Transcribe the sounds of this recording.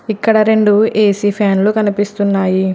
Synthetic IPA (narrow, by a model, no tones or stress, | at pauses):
ikːɐɽɐɾe̞ɳɖueːsiːpʰaːnlukɐnipist̪unːaːji